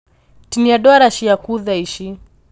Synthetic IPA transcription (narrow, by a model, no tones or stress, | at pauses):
tiniaɗɔaɾaʃijakuðaiʃi